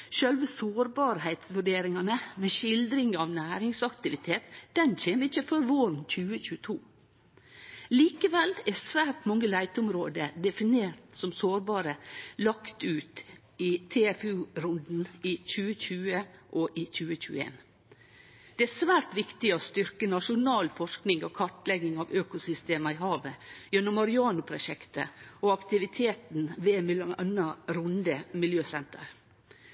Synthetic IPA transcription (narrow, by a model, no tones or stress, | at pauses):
ʃœlʋəsoːɾbɑːɾhæɪt̪sʋʉɖeːɾɪŋɑnəmɛʃɪld̪ɾɪŋɑʋnæːɾɪŋsɑkt̪ɪʋɪt̪ʰeːt̪d̪̥ɛnc͡çeːməɪt͡ʃːəføɾʋoːɾn̩c͡çʉːəçʉːət̪ʰuː | liːkəʋɛlːɛsʋæːɾʈmɔŋːəlæɪt̪əʊmɾoːd̪əd̪ɛfɪneːɾt̪sɔmsoːɾbɑːɾəlɑkt̪ʉːt̪ | it̪ʰeɛfʉːɾʊnd̪n̩ɪçʉːəçʉːəʔɔʔɪc͡çʉːəc͡çʉ̰ːəḛːn | d̪̥ɛæsʋæːɾʈʋɪkt̪ɪɔst̪ʏɾkənɑʂʊnɑːlfɔʂknɪŋɔkʰɑʈlɛɡɪŋɑʋøːkʊsʏst̪eːməɪɦɑːʋəjɛnːɔmːɑɾɪɑːnʊpʰɾʊʃɛkt̪əɔɑkt̪ɪʋɪt̪ʰeːt̪n̩ʋeːmɪlɑnəɾʊnd̪əmɪljøːsɛnt̪ə̰ɾ